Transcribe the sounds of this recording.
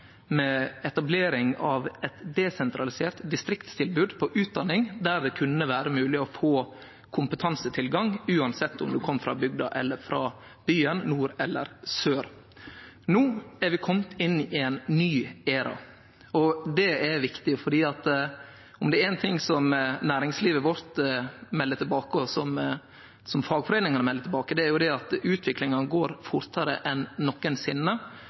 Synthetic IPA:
mɛɛt̪ɑbleːɾɪŋɑʋɛt̪d̪ɛsɛnt̪ʰɾɑlɪseːɾt̪d̪ɪst̪ɾɪkt̪st̪ʰɪlbʉːd̪pʰɔʔʉːt̪̚d̪ɑnːɪŋd̪æɾd̪ɛkʰʉnːəʋæːɾəmʉːlɪɔfoː | kʰʊmpət̪ʰɑnsət̪ʰɪlɡɑŋʉːɑnsɛt̪ːʊ̰md̪ʉkʰɔmːfɾɑ̰bʏɡd̪ɑ̰ʔɛ̰lːəɾfɾɑ | b̥yːənnuːɾɛlːə̰ɾsøːɾ | noːæɾʋɪkʰɔmt̪ʰɪnːɪɪɛnnyːeːɾɑ̰ | ɔd̪ɛɛɾʋɪkt̪ɪfɔɖiːɑt̪ | ʊmd̪ɛɾɛnt̪ʰɪŋsɔmnæːɾɪŋsliːʋəʋɔɾt̪mɛlːət̪ɪlbɑːkəɔsɔm | sɔmfɑːɡfɔɾɛːnɪŋɑnəmɛlːət̪ʰɪlbɑːkəd̪ɛæɾjʊd̪ɛɑt̪ʉːt̪ʰʋɪklɪŋɑnəɡoːɾfʊɾt̪ɑɾə̰ʔɛnːɔkːənsɪnːə

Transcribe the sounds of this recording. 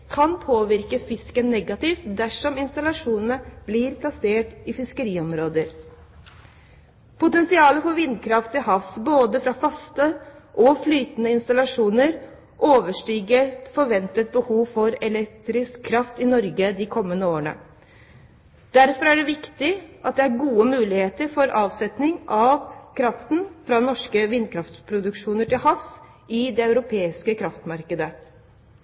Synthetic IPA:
kʰɑnpʰoːʋɪɾkəfɪskənːɛɡɑt̪ɪft̪d̪æʂɔmɪnst̪ɑlɑʂuːnənəb̥lɪɾpʰlɑseːʈɪfɪskəɾiːɔmɾoːd̪əɾ | pʊt̪ɛnsɪɑːləfɔɾʋɪnd̪kʰɾɑft̪ːɪlhɑfsboːd̪əfɾɑfɑst̪əʔɔflyːt̪ənəɪnst̪ɑlɑʂuːnəɾ | ʔoːʋəʂʈiːɡət̪fɔɾʋɛnt̪ət̪̚bəhuːʋfɔɾɛlɛkt̪ɾɪskʰːɾɑft̪ɪnɔɾɡəd̪ɪkʰɔmːənəoːəɳə̰ | d̪̥æɾfɔɾæɖɛʋɪkt̪ɪʔɑt̪̚d̪ɛæɾɡuːəmʉːlɪheːt̪əɾfɔɾʔɑːʋsɛt̪nɪŋʔɑʋkʰɾɑft̪nfɾɑnɔʂkəʋɪnkʰɾɑft̪pʰɾʊd̪ʉkʂuːnəʈɪlhɑfs | ʔɪd̪ɛɑʉɾʊpʰeːɪskəkʰɾɑft̪mɑɾkəd̪ə

